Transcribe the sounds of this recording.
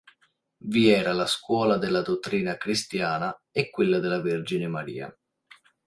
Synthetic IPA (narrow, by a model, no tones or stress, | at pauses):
viɛːɾalaskwɔːlad̪elːad̪ot̪ːɾiːnakɾist̪jaːnaɛkːwelːad̪elːaverd͡ʒinemaɾḭːa̰